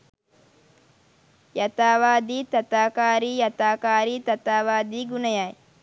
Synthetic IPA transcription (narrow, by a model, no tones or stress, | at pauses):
jɐt̪aːʋaːd̪iːt̪ɐt̪aːkaːɾiːjɐt̪aːkaːɾiːt̪ɐt̪aːʋaːd̪iːɡunəjaj